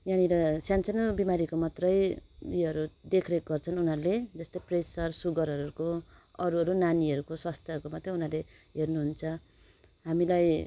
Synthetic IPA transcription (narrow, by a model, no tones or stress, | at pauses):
janiɾʌsjansʌnbimaɾikomʌt̪rʌjiʌɾud̪ekʰreɡʌrt͡sʰʌnunɦʌɾuled͡zʌst̪ʌjpresʌrsuɡʌɾɦʌɾukoʌɾuɦʌɾunaniɦʌɾukosʌst̪ʌkomʌt̪rʌunʌle | ɦernuɦunt͡sʰʌ | ɦamilaj